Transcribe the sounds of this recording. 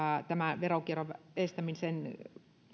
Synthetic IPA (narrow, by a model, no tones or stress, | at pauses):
ɑt̪æmæʋerokieroʋest̪æminsen